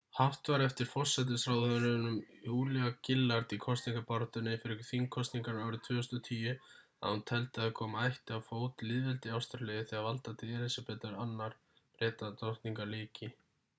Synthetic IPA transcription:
haft̪vaɾɛft̪ɪɾ̥fɔr̥sɛt̪̬ɪsɾawðœðɾʏnʏmjuːlɛacɪlːaɾt̪ikʰɔst̪niŋkapaɾt̪ʏnːɪfɪɾɪθiŋkʰːɔst̪niŋkaɾnaːwɾʏt̪ʰvʏːʏst̪ɔt̪ʰiːjʏ | a̰hunt̪ʰɛlt̪ɪaðkʰɔːmaajht̪ɪawfoːwt̪lɪðvɛlt̪ɪawst̪aɾlʏːðɪθɛːɣavalt̪at̪ʰɪɛɾɛsapɛːt̪aɾanːaɾ̥ | pɾɛːt̪at̪ɔht̪niŋkaɾlɪːcɪ

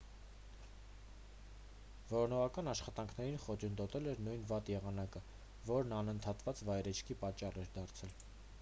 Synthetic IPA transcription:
vɔɾɔnɔʁɑkɑnɑʃχɑt̪ɑŋkʰnɛɾinχɔt͡ʃʰənd̪ɔt̪ɛlɛɾnujnvɑt̪jɛʁɑnɑkə | vɔɾnɑnənt̪ʰɑt̪vɑt͡svɑjɾɛt͡ʃʰkʰipɑt͡ʃːɑrɛɾd̪ɑɾt͡sʰɛl

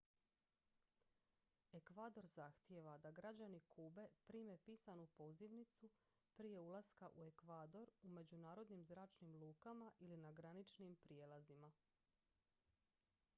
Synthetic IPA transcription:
e̞kʋaːd̪o̞ɾzaxt̪jeʋad̪aɡɾad͡ʑanikʰuːbe̞pɾiːme̞piːsanupo̞ziʋnit̪su | pɾije̞ulˠaskaʔue̞kʋaːd̪o̞ɾume̞d͡ʑunaːɾo̞d̪nimzɾaːt͡ʃnimlˠuːkamaʔilinaɡɾanit͡ʃnimpɾije̞lˠazima

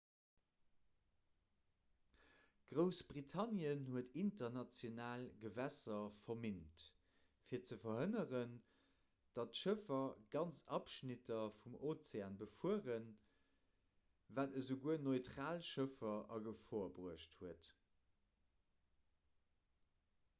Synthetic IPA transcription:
ɡ̥ʁəʊsb̥ʁitʰɑnjənhuətʰintɐnɑt͡sjonaːlɡəvæsɐfɐmint | fiːɐt͡səfɐɦənəʁən | d̥ɑtʃəfɐɡ̥ɑnt͡sɑpʃnitʰɐfumoːt͡seaːnbəfuəʁən | vaːtəzəʊɡuənoɪtʁaːlʃəfɐɐɡəfoɐbʁuəʃthuət

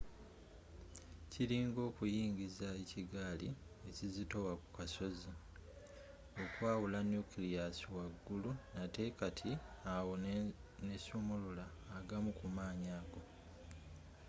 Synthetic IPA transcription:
ciɾiːŋɡo̞ːkujiːɲɟizae̞ciɡaːli | ecizito̞waku̥kaso̞zi | o̞kwaːwulanjukilijasiwaɡːulunate̞katʰiawo̞nesumululaːɡamukumaːɲaːɡo̞

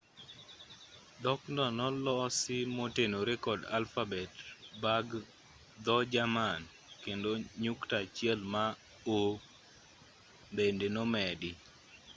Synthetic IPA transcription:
d̪ɔkndɔnɔlɔsɪmotenoɾɛkɔda̰lfabɛtbaɡ | d̪ɔd͡ʒaman | kendoɲuktat͡ʃɪɛlma | o | bendenɔmɛdɪ

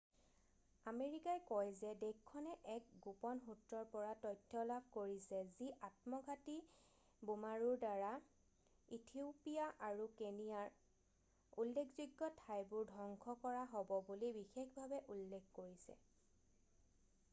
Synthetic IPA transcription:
ameɹikajkɔjzɛdekkʰːɔnɛʔɛk̚ɡupɔnɦutɹɔɹpɔɹatɔjtʰːɔlab̚ʱkoɹisɛziʔatmɔɡʱati | bumaɹuɹdaɹa | itʰiupijaʔaɹukenijaɹ | ulːekʰzuɡːɔtʰajbʊɹdʱɔŋkʰɔkɔɹaɦɔbɔbulibixexbʱabɛʔulːekːkoɹisɛ̰

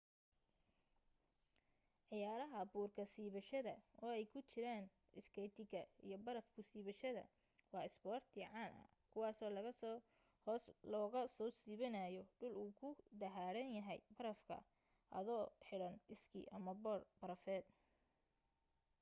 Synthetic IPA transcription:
ʕɪjaːɾɐɦɐbuːrkʰɐsiːβɐʃɐðɐ̰ɔːɛjkʰʊt͡ʃɪɾaːn | ɪskʰɛjt̪ʰɪɡɐḭjɞbɐɾɐfkʰʊsiːβɐʃɐðɐ̰ | wɑːɪsbɔːrt̪ʰjɪʕɑːnʔɐ̰ | kʰʊwɑːsɔːlɐɣɐs | hɔːslɔːɣɐsɔːsiːβɐnaːjɔɖʊluːkʰʊɖɐɦaːɽɐnjɐɦɛjbɐɾɐfkʰɐ̰ | ʔɐ̰ðɔːħɪɽɐnɪskʰḭʔɐmɐbɔːrb̥ɐɾɐfɛːd̪

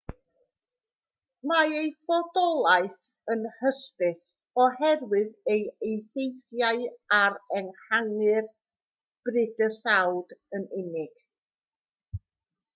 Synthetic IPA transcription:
maejfɔdɔlˠaɨθ | ənhəspɨθ | ɔhɛrwɪðejejθejθjaɨaɾɛnhaŋɨr | b̥rɪdəsawdənɪnɪɡ̥

